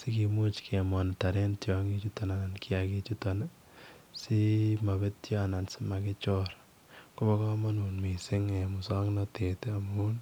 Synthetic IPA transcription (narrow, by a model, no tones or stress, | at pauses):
sikimut͡ʃkʰemɔntaɾentjɔŋit͡ʃutɔnanankʰiakit͡ʃutɔn | simabetjɔnansimakɪt͡ʃɔɾ | kobɔkɔmanunmisɪŋemusaŋnɔtetamun